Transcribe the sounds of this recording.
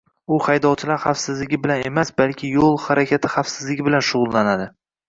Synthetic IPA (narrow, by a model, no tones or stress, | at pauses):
ʊχajd̪ɒwt͡ʃʰɪlaɾχafsɪzlɪɡʲɪbɪlane̞masbalkʲʰɪjolˠhaɾakʲʰat̪ʰɪχafsɪzlɪɡʲɪbɪlanʃʊʁʊlˠːanad̪ɪ